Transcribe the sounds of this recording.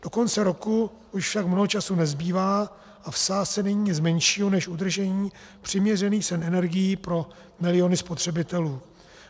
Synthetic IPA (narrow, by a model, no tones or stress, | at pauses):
d̥o̞ko̞nt͡sɛɾo̞ku | ʔuʃfʃakmnoɦot͡ʃasunɛzbiːvaː | ʔafsaːst͡sɛnɛɲiːɲɪt͡smɛnʃiːɦonɛʃud̪r̩ʒɛɲiː | pr̥ɪmɲɛrɛniːxsɛnɛnɛɾɡɪjipɾo̞ | mɪlɪjo̞nɪspo̞t̪r̝̥ɛbɪt̪ɛluː